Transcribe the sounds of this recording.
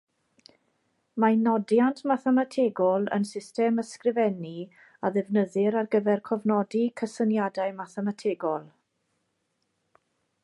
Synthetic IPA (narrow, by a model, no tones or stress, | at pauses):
manɔdjantʰmaθɛmatʰeːɡɔlˠə̰nsɪstɛməskrɪvɛni | aðɛvnəðɪɾarɡəvɛrkʰɔvnɔdikʰəsənjadaɨmaθɛmatʰeːɡɔlˠ